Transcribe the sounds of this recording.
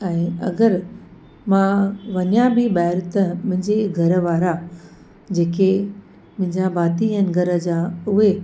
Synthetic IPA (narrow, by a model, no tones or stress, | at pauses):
ɛ̃ːɐ̰ɡəɾ | mãʋɐɲjãbʱɪɓaːɪɾt̪əmʊ̃ɦɪ̃ɲd͡ʑeɡʱɐɾəʋaːɾa | d͡ʑeːke | mʊ̃ɦɪ̃ɲd͡ʑabaːt̪iɛ̃ːnɡʱɐɾə̆d͡ʑaʊɦe